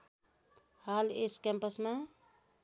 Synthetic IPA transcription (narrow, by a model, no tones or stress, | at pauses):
haleskɛmpəsma